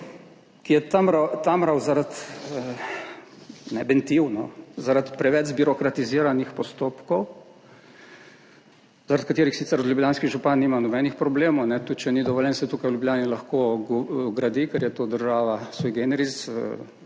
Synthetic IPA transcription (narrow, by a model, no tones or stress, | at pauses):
kijɛt̪amɾat̪amɾawzaɾat̪ | nɛbɛnt̪iwnɔzaɾat̪pɾɛʋɛd͡ʒbiɾɔkɾat̪iziːɾanixpɔst̪oːpkɔw | zaɾat̪̚kat̪eːɾixsit̪sɛɾɔd̪ljublʲjaːnskiɣʒupanːiːmanɔbɛnixpɾɔbleːmɔwnɛt̪ut̪t͡ʃɛnid̪ɔʋɔljɛnsɛt̪uːkajwlʲjublʲjaːnilaxkoɡɡɾad̪ikɛɾjɛt̪od̪əɾʒaːʋasʋoːjɡenɛɾit͡s̪